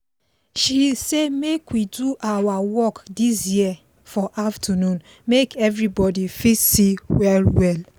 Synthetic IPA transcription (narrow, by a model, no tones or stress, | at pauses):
ʃisemekwiduʔawawɔkdisjiɛ | fɔʔaftʰanũn | mekʰɛvɹibɔdifisiwɛlwɛl